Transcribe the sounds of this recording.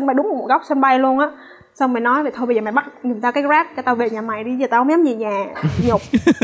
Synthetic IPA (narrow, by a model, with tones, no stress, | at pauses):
ə˧nɓa˧jɗʊ˨˦ŋ͡mm˨˩˨mo˨˩ɣa˦˥wk͡p̚sɛ˧nɓa˧jlu˧ənʔaː˨˥ | sa˧wme˨˩nɔ˨˦jve˨˩t̪ʰo˧ɓə˧zəː˨˩ma̰˨˧˩jɓa˦˥t̚ɲi˨˩nt̪ʰa˧kaː˨˦jzaː˦˥p̚t͡ɕɔ˧˩t̪aː˧vḛ˧˨ɲaː˨˩ma˨˩jɗi˧zəː˨˩t̪aː˧hŋ͡mɲa˨˦mzḭ˧˨˩ɲaː˨˩ɲo˨˩k͡p̚